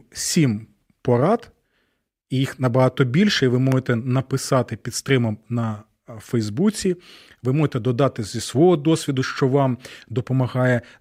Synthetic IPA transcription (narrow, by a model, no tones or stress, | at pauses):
sʲim | pɔɾɑd̪̥ | ijixnɐbɐɦɑt̪ɔbʲilʲʃɛiʋɪmɔʒet̪ɛnɐpɪsɑt̪ɪpʲid̪st̪ɾɪmɐmnɐ | fɛjzbut͡sʲi | ʋɪmɔʒet̪ɛd̪ɔd̪ɑt̪ɪzʲisʋɔɦɔd̪ɔsʲʋʲid̪ʊʃt͡ʃɔʋɑmd̪ɔpɔmɐɦɑjɛ